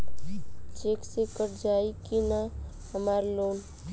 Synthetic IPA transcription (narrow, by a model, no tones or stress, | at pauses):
t͡ʃeːksekəɾd͡ʒaːikina | ɦəmaːɾloːn